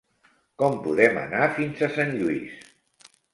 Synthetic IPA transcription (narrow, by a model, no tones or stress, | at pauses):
kɔmpuðɛmə̰nafinzəsanʎuis